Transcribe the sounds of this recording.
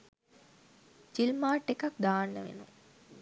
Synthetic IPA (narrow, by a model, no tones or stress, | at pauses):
d͡ʒilmaːʈːekak̚d̪aːnːəʋḛnṵ